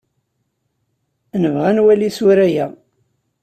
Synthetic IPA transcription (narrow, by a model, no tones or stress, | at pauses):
nəvʁænwælisuɾæjæ